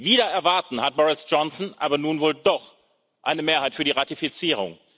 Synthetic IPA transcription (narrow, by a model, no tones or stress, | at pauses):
viːɾɐɛɐvaɐtn̩hat̚b̥ɔʁɪsd͡ʒ̥ɔnsnʔa̰ːbɐnuːnvoːldɔχ | ʔa̰ɪnəmeːɐhaɪtfyːɐdiːʁatifit͡siːʁ̞ʊ̰ŋ